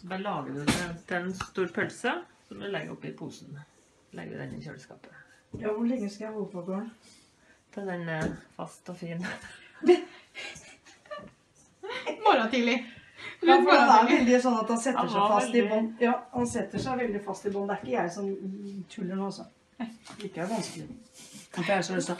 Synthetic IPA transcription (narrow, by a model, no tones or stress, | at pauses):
sɔbɑːɾlɑːɡəd̪ʉɛt̪ʰɛnst̪uːɾpʰœlsəsɔmlɛɡəɾɔpːɪpʰṵːsn̩ | lɛ̰ɡəʋɪ̰d̪ɛ̰nːɪ̰çø̰lskɑ̰ːpəjɑːʋʊɭɛŋːəskɑjæhoːəpɔɡoːəɳ | t̪ʰɑd̪ɛnəfɑ̰st̪ɔfiːn | mɔɾɑt̪iːlɪ | ɾfɾɑd̪ɛæʋɛld̪ɪsɔnːɑt̪̚d̪ɑnsɛt̪ːəʂæɪfɑst̪ɪbɔnjɑːɑnsɛt̪ːəʂæɪʋɛld̪ɪfɑst̪ɪbɔnːd̪ɛæɾɪkːəjæɪsɔnːt̪ʰʉlːənːɔsɔ | ɪkːəæɾʋɑnskəlɪɑæsɔmɛlsɔ